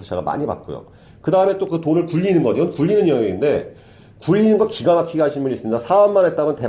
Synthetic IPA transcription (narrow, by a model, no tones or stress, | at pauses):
ot͡ɕʰaɡama̰ɲiba̰t̚k͈o̰jo̰ | kɯdaɯme̞t͈okɯtonɯɭkuʎːinɯnɡʌɲiɯnkuʎːinɯnjʌŋiinde̞ | kuʎːinɯnɡʌkiɡamakʰiɡaɕʰinbuɲis͈ɯmɲidasʰaʌmːanɦet͈amʌnte̞